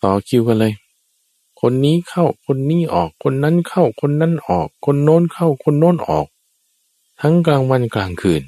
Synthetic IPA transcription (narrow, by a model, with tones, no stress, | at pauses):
t̪ɔː˨˩kʰi˧˨wka˧lɤː˧j | kʰo˧˥˨nːiː˧˥˨kʰa˧˥˩wkʰo˧˥˨nːiː˧˥˨ʔɔː˨˩kʰːo˧˥˨nːa˧˥˨nkʰa˧˥˩wkʰo˧˥˨nːa˧˥˨nʔɔː˨˩kʰːo˧˥˨nːoː˧˥˨nkʰa˧˥˩wkʰo˧˨nːoː˧˥˨nʔɔ̰ː˨˩k̚ | t̪ʰa˧˥ŋklaː˧ŋwa˧˥˨nklaː˧˩ŋkʰɯː˨˩n